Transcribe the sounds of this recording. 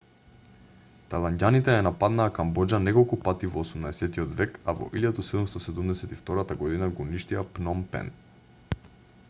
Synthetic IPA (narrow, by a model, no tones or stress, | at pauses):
t̪alˠanɟʲanit̪ɛɛnapad̪naːkambɔd͡ʒanɛkɔlˠkupat̪ivɔːsumnaɛsɛt̪iɔd̪vɛka̰vɔ̰ʔiljad̪usɛd̪umst̪ɔsɛd̪umd̪ɛsɛt̪ift̪ɔɾat̪aɡɔd̪inaɡɔːniʃt̪iapnɔmpɛ̰n